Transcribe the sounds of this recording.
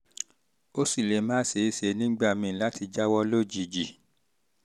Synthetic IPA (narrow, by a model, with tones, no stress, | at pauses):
o˦si˦˨le˨˧˦mãː˦se˨˦i˧˨se˨˧˦nĩ˦ɡ͡ba˦˨mĩ˧˨la˦ti˧d͡ʒa˦wɔ˦lo˦d͡ʒi˨˧˨d͡ʒi˨